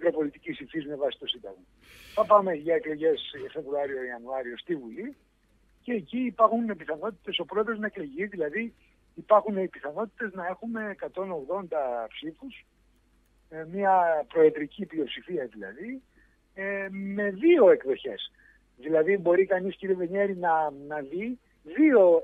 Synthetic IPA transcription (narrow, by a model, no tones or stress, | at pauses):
mikɾo̞po̞lit̪icisiɱfizme̞vɐsi̥t̪o̞sind̪ɐ̰ɣmɐ | θɐpɐme̞ʝɐe̞klo̞ʝe̞sfe̞vɾuɐɾioiɐnuɐɾio̞st̪ivuli | ce̞ːciːpɐɾxunepiθɐno̞t̪i̥t̪e̞so̞pɾo̞eðɾo̞znɐe̞klo̞ʝiðilɐðiː | pɐɾxuneipiθɐno̞t̪i̥t̪e̞znɐe̞xume̞ːkɐt̪o̞no̞ɣðo̞nd̪ɐpsifus | mɲɐpɾo̞etd̪ɾiciplio̞psifiɐðilɐ̰ði | eme̞ðio̞e̞kðo̞çe̞̰s | ðilɐðibo̞ɾikɐnisciɾieveɲeɾinɐnɐði | ðio̞